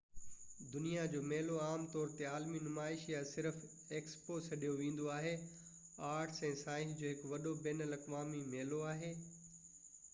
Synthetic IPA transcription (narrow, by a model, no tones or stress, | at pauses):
d̪ʊnijad͡ʑoːmɛːloaːmt̪ɔːɾt̪eaːlminʊmaːɪʃjasɪɾf | eːksposɐɗijoʋẽːn̆d̪oaːɦe | aːɾʈʰsɛ̃ːsaːɪ̃ɦd͡ʑoːɦɪkʋɐɗobɛːnəlɐkʋaːmimeːloaːɦeː